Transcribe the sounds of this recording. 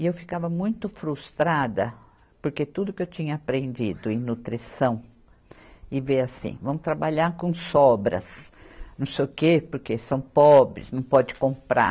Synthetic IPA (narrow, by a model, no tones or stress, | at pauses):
ɪewfi̥kavɐmũj̃t̪ʊfɾust̪ɾad̪ɐ | poɾket̪ud̪ʊkɪewt͡ʃĩɲɐːpɾẽnd͡ʒid̪ʊẽnut̪ɾisɐ̃w̃ | ɪveasḭ̃vɐ̃mʊt̪ɾabaʎaɾkõsɔbɾɐ̰snɐ̃w̃sejʊkepoɾkesɐ̃w̃pɔbɾɪ̰snɐ̃w̃pɔd͡ʒɪkõmpɾa̰